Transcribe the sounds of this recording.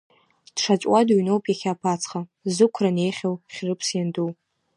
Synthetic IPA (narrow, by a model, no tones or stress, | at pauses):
d̥ʂat͡ʃʼwaduɥnowpʼjaχʲaːpʰat͡sʰχazɨkʷʰrane̞jχʲawχʲrɨpʰsjanduw